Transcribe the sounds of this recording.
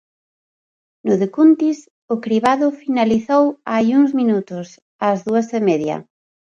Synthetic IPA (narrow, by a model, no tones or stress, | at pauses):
nʊðekunt̪is | ʊkɾiβaðʊfinaliθowajuŋzminut̪ʊs | azðuɐsemeðjɐ̰